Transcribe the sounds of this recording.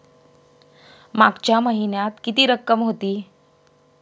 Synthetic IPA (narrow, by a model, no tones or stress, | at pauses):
maɡt͡ɕjaməɦinjat̪kit̪iːɾəkːəmɦot̪iː